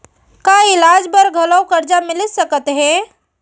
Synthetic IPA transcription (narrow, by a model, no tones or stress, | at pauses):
kaɪlaːd͡ʒbəɾɡʱɐləwkɐɾd͡ʒamɪlɪsəkət̪ɦɛ̃